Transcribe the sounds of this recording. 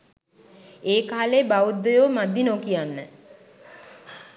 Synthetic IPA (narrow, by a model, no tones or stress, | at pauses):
eːkaːleːbaud̪ːojoːmad̪ːinokijanːə